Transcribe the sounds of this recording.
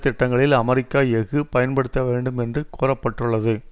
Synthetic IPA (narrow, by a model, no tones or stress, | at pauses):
t̪ːɪʈːɐŋɡɐɭɪlɐmɐɾɪkːaːjɛɣɯpɐjɐnpɐɽɯt̪ːɐʋeːɳɖɯmɛndrɯkuːrɐpːɐʈːɯɭːɐðɯ